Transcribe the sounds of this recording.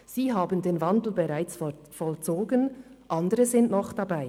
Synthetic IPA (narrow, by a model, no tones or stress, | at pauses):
z̥iːɦaːbəndeːnvandl̩beʁaɪt͡s | fɔlt͡soːɡənʔandəʁəzɪntnɔχd̥abaɪ